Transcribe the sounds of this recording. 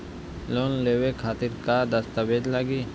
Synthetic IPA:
loːnleːwekʰaːt̪ɪɾkad̪əst̪abeːd̪laːɡiː

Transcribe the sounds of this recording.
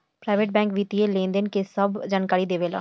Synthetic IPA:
pɾaːʋeːʈ̚bɛ̃ːŋkʋiːt̪ielẽːnd̪ənkesəbd͡ʒaːnkaːɾid̪eːʋeːla̰ː

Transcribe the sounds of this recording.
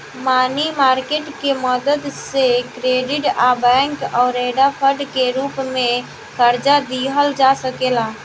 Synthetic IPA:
maːnimaːɾkeʈkeməd̪əd̪sekɾeɖɪʈabɛŋkɔʊɾeɖapʰəɖkeɾuːpmẽ | kəɾd͡ʒad̪iɦəld͡ʒasəkela

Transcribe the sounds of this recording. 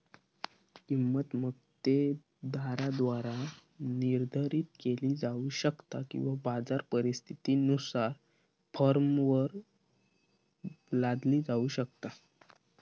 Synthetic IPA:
kimːət̪məkt̪e | d̪ʱaɾad̪ʋaɾa | niɾd̪ʱəɾiːt̪keliːd͡zauːɕəkt̪akḭ̃w̃ʋabad͡zaɾpəɾist̪ʰit̪iːnusaɾ | fəɾmʋəɾ | lad̪liːd͡zauːɕək̚t̪a

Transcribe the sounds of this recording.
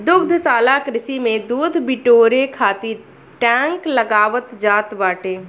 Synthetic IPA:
d̪ʊɡd̪ʱsaːlakɾɪsimẽd̪uːd̪ʱbɪʈoːɾekʰaːt̪ɪɾ | ʈɛ̃ːŋkləɡaːʋət̪d͡ʒaːt̪baːʈeː

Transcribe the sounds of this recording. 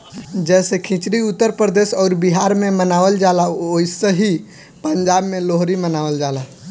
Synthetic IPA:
d͡ʒɛsekʰĩt͡ʃɾiut̪ːəɾpɾəd̪esɔːɾbiɦaɾmemənaʋəld͡ʒalaoisəɦi | pəɲd͡ʒabmeloɦɾimənaʋəld͡ʒala

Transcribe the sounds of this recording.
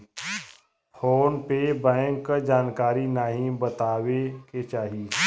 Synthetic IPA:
fʰoːnpebɛ̃ːŋkd͡ʒaːnkaːɾinaɦĩbət̪aːweket͡ʃaːɦiː

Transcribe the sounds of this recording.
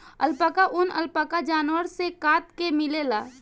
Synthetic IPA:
əlpaːkaʔʊnə̰lpaːkad͡ʒaːnwəɾsekaːt̪kemɪlelaː

